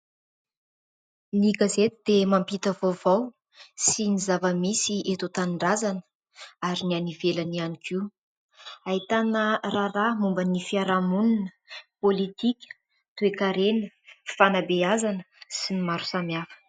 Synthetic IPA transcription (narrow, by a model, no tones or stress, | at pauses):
niɡazet̪id̪emampit̪əvovaw | sinizavəmisiʔet̪ot̪anɳɖ͡ʐazanə̥ | aɾinianivelanianikʰi | ait̪anəraramumbənifiaɾamununəpolit̪ikʲə̥ | t̪uekaɾenə | fanabeazanə̥sinimaɾu̥samjafə̥